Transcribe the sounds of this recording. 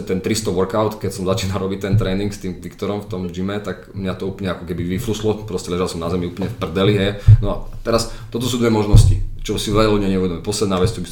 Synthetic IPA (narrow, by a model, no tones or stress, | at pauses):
ɛt̪ɛnt̪ɾist̪ɔʋɔɾkaʊt̪kɛcsɔmzat͡ʃiːnalɾɔbic̚t̪ɛnt̪ɾɛːniŋkst̪iːmʋikt̪ɔɾɔmft̪ɔmʒimɛt̪aɡmɲat̪ɔuːplɲɛakɔkɛbiʋifluslɔpɾɔscɛlɛʒalsɔmnazɛmiuplɲɛfpr̩d̪ɛliɦɛjnɔat̪ɛɾast̪ɔt̪ɔsuːd̪ʋɛmɔʒnɔscḭt͡ʃɔsiʋɛʎalɔd̪ɲɛɲɛuʋɛd̪ɔmɛpɔslɛd̪naːʋɛt͡st̪ɔbi